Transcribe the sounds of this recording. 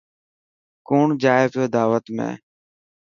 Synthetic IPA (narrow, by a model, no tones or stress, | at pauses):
koːɳd͡ʒaːepjoːd̪aːʋət̪mḛ̃ː